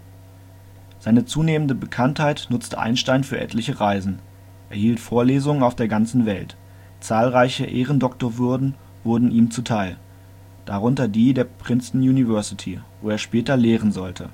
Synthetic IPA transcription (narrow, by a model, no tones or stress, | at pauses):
z̥aɪnət͡suːneːməndəbəkʰanthaɪtnʊt͡stə̰ʔa̰ɪnʃtaɪnfyːɐʔɛ̰tʰlɪçəʁaɪzn̩ | ʔeːɐhiːltfoːɐleːzʊŋənaʊfd̥eːɐɡant͡sn̩vɛlt | t͡saːlʁaɪçəʔeːʁəndɔktoːɐvʏɐdn̩ | vʊɐdn̩ʔiːmt͡sutʰaɪl | d̥aʁʊntɐdiːdeːɐpʁ̥ɪnsn̩juːnivɛɐsɪtʰivoːeːɐʃpɛːtɐleːʁ̞ənzɔltʰə